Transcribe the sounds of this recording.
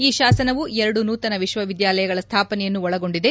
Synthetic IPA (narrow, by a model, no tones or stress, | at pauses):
iːʃaːsɐnɐʋuɛɾɐɽunuːt̪ɐnɐʋiʃʋɐʋid̪jaːlɐjɐɡɐɭɐst̪ʰaːpɐnɛjɐnːuɔɭɐɡo̞ɳɖid̪e̞